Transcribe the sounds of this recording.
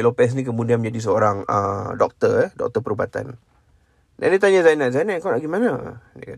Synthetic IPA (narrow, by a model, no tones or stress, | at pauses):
ilopɛs̬nĩkəmudianmə̃ɲd͡ʒadis̬əoɾaŋə̰dɔk̚t̪ərɛdɔ̰k̚t̪əpəɾubat̪a̰n | da̰ndit̪̬aɲazajnaʔzajnakawlaʔɡimana̰dika